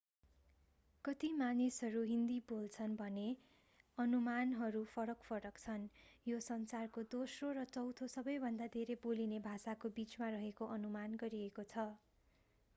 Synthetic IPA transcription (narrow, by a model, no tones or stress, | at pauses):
kʌt̪imanesɦʌɾuɦind̪ibolt͡sʰʌnbʱʌne | ʌnumanɦʌɾupʰʌɾʌkpʰʌɾʌkt͡sʰʌnjosʌnt͡sarkod̪osroɾʌt͡sʌwt̪ʰosʌbʌjbʱʌnd̪ad̪ʱeɾebolinebʱasakobit͡smarʌɦekoʔʌnumanɡʌɾiekot͡sʰʌ